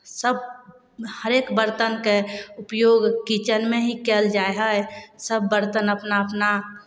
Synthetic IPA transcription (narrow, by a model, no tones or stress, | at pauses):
səb̚ | həɾeːkbəɾt̪ənkeʊpjoːɡkit͡ʃənmẽɦikeld͡ʒaeɦəesəbːəɾt̪ənəpnaəpna